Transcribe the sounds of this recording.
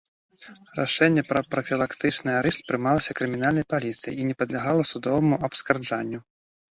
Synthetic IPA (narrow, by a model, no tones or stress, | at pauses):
ra̰ʂɛnʲːɛpɾɐpɾɐfʲilˠakt̪ɨt͡ʂnɨaɾɛʂt̪pɾɨmalˠɐsʲɐkɾɨmʲin̪alʲnɐjpalʲit̪sɨjḭinʲɛpɐd̪lʲaɣalˠɐsud̪ɔvɐmuɐpskard͡ʐanʲːu